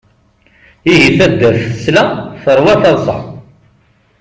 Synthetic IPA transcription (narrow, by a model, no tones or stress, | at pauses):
iɦiθæd̪ːæθə̥slæθəɾˤwæθɑðˤsˤə̰ħ